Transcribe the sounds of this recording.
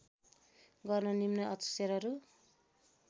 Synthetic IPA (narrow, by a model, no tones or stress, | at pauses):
ɡʌrnʌnimnʌʌt͡sʌ̥seɾʌɾu